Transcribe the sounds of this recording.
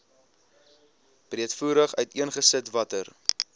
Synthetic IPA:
b̥riətfuːɾəχœɥtiənχəsətvɐtər

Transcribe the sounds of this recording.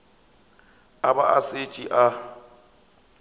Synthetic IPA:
aba̰ʔaset͡ʃʼiʔa

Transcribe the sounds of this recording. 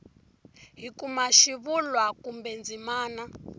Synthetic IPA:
ɦikumaʃiβulwakumbɛnd͡zimaːna

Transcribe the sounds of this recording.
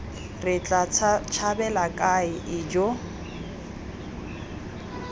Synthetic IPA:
rɪt͡ɬʼat͡ʃʰabɛlakʼaɪʔɪd͡ʒo

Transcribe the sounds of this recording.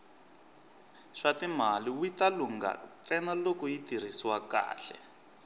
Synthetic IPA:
ʂatim̤aliwitaluŋɡa̰t͡sɛnalokuitir̤isiwaka̰ːɬɛ̰

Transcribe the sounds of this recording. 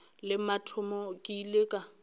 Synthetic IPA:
lɪmatʰʊmɔkʼileːkʼa

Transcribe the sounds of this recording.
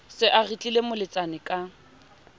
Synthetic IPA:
sɪʔarit͡ɬʼilemʊlɪt͡sʼanɪkʼa

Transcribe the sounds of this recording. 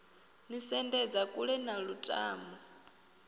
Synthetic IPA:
nisɛndɛd͡zakʼuɺɛnaɺutʼa̰ːmba

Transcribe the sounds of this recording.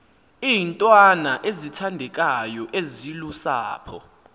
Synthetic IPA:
iːntʼwanaʔezitʰandʱɛk̬ʼajɔʔezilusaːpʰɔ̰

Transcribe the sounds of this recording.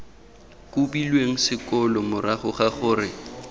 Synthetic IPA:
kʼubilweŋ̩sɪkɔlɔmʊɾaχʊχaχʊːrɪ

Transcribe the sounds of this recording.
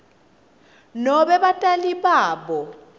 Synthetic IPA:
nɔɓɛɓatʼaliɓaːɓɔ

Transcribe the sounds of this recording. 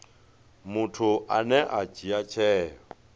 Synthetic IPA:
mʊtʰʊʔanɛʔad͡ʒiat͡ʃʰɛːjɔ

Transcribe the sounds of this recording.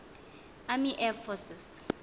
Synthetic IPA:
amiʔɛfɔsɪs

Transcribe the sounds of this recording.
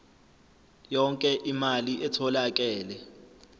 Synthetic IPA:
jɔŋkʼɛʔimaliʔɛtʰɔlak̬ʼɛːlɛ

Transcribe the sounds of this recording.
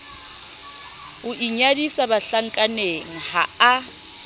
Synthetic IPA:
ʊʔiɲadisabaɬaŋ̩kʼaneŋ̩haa

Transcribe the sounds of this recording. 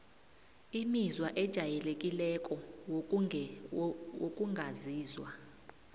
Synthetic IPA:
imizwaʔɛd̥ʒ̥ʱajɛlekʼilɛkʼɔ | okʼuŋɡʱaziːzwa̰

